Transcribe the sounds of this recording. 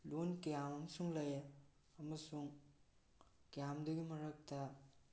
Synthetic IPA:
lonkijamɐmɐsuŋlɐja | ɐmɐsuŋ | kijamdɐɡimɐɾɐk̚tɐ

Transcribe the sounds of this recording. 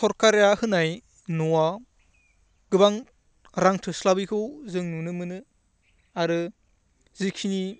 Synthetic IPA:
sʰɔɾkaɾjahɯnaj | nuwa | ɡ̥ɯbaŋ | ɾaŋtʰɯslabikʰɯwzɯŋnunɯmɯnɯ | aɾɯ | zikʰini

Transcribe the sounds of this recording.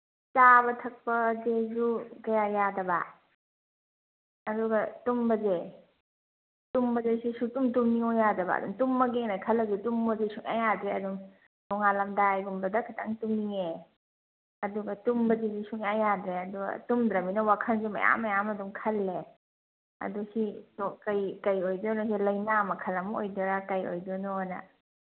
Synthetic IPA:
t͡ʃabɐtʰɐk̚pɐzezukɐjajadɐba̰ | ɐduɡɐtumbɐze | tumbɐzesesutumtumniŋojadɐbɐ̰ːdṵŋtumːɐɡenakʰɐlɐzutumbɐzesuŋa̰jadɾeɐdum | dɔŋalɐmdaːjɡumbɐdɐkʰita̰ŋtumniŋe | ɐduɡɐtumbɐzezisuŋɐjadɾeɐduɡɐ̰tumdɾɐminɐwakʰɐnzemɐ̰ja̰mɐjamɐdumkʰɐlːe | ɐ̰dusitɔkɐjkɐjojdɔnɔs̬ilɐjnamɐkʰɐlɐmo̰jdɔɾakɐjo̰jdɔnonɐ̰

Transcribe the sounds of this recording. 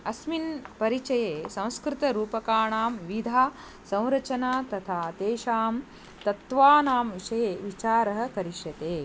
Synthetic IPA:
ɐsminpɐɾit͡ʃɐjeːsɐ̃w̃skɾɪt̪ɐɾuːpɐkaːɳaːmʋid̪ʱaː | sɐ̃w̃ɾɐt͡ʃɐnaːt̪ɐt̪ʰaːt̪eːʃaːm | t̪ɐt̪ʋaːnaːmʋiʃɐjeːʋit͡ʃaːɾɐɦɐ̆kɐɾiʃjɐt̪eː

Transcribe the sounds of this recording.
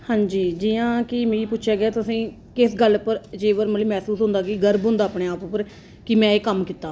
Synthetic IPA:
hãːɲd͡ʒiːd͡ʒiːãːkɪmeːipʊtːʃʰeːɡɛːt̪ʊsĩː | kɪsɡəlpəɾd͡ʒeːʋəɾməliːmɛːsuːsɦʊ̃nd̪aːɡiːɡəɾbɦʊ̃nd̪aːpɳeːaːpʊpəɾ | kɪmɛ̃ːeːkəmkiːt̪ːaː

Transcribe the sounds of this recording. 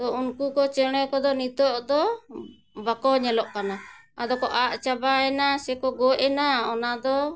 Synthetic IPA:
t̪ɔunkukɔt͡ʃɛɽ̃ɛkɔd̪ɔnit̪ɔʔd̪ɔ | bakɔɲɛlɔʔkana | ad̪ɔkɔʔaʔt͡ʃabaɛnasɛkɔɡɔɛnaɔnad̪ɔ

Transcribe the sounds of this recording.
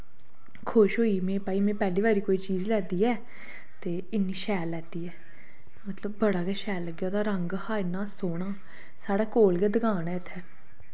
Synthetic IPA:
kʰʊʃɦoːiːmẽːpaːiːmɛ̃ːpɛːliːʋaːɾiːkoːiːt͡ʃiːzlɛːd̪iːɛː | t̪eː | ɪnːĩːʃɛːlːɛːd̪iːɛː | mət̪ləbːəɽaːkɛːʃɛːlːəɡjaːd̪aːɾəŋɡhaːɪnãːsoːɳãː | saːɽɛːkoːlkɛːd̪əɡaːnɛːɪt̪ʰːɛː

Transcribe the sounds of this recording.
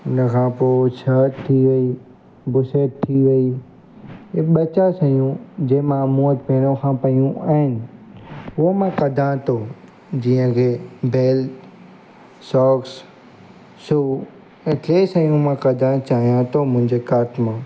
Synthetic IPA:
ʊnəkʰãːpoːt͡ʃʰəːt̪t̪ʰːiʋəiː | bʊseːʈt̪ʰːiːʋeiː | eɓət͡ʃasə̃jũd͡ʒeːmãmũːət̪peːñõkʰãːpəijũaːɦɪnɪ̆ | ʊomãːkəd̪ʱãt̪oː | d͡ʒiːə̃kʰeːbʱeːl | sɔːks | suː | ẽʈeːsəjũmãkɐd̪ʱãt͡ʃaːɦijãt̪oːmʊ̃ɪ̃ɲd͡ʒekaːt̪mãː

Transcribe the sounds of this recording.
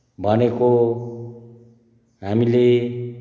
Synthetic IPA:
bʱʌneko | ɦamile

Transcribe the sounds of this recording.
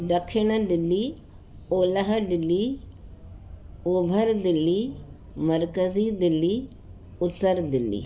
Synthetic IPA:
ɖəkʰːenəɖɪlːiː | oːləɦɖɪlːiː | ʊbʱəɾd̪ɪlːiː | məɾkəziːd̪ɪlːiː | ʊt̪ːəɾd̪ɪlːḭː

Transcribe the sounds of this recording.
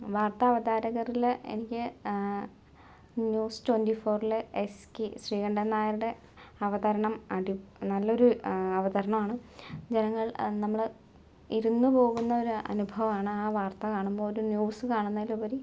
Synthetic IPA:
ʋaːrt̪ɐːʋɐðaːɾɐɣɐrilḛnikʲːɨ | njuːstwendifo̞ːrilɨeskiɕriːɣɐɳɖɐnːaːjɐɾuɽe̞ | ɐʋɐðɐɾɐɳɐmɐɽinɐlːɐo̞ɾuɐʋɐðɐɾɐɳɐmaːɳɨd͡ʑenɐŋːɐɭnɐmːɐɭ | iɾunːupo̞ːɣunːɐo̞ɾuʔɐ̰nubʱɐʋɐmaːɳɨaːʋaːrt̪ɐkaːɳumboːoɾunjuːsɨkaːɳunːɐilːupɐɾi

